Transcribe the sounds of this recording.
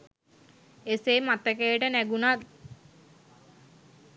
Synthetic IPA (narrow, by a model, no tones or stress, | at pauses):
eseːmat̪əkejəʈənæɡunat̪̚